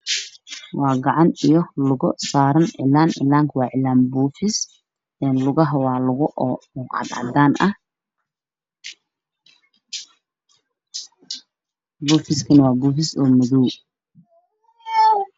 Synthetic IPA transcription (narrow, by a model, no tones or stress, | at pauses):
wɑːɡɑʕɑnijɔlʊɣɔsaːɾɐnʕɪ̰laːnʔɪ̰lːaːŋkʰwɑːʕɪlaːnbɔːfɪs | ɛːnlʊɣɐɦɐwɑːlʊɣʊʔɔːʕɑ̰d̪ʕɑ̰d̪aːnʔɐh | bɔːfɪskʰɐnɐwɑːbɔːfɪsɔːmɔðuː